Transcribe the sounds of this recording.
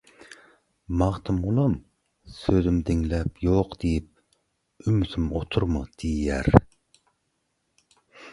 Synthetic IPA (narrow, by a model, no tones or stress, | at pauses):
mɑʁt̪ʰɨmʁʊlˠum | søzymd̪ɪŋlɛpjoqd̪̥ejip̚ | ymysɪmot̪ʰuɾmud̪̥ijæɾ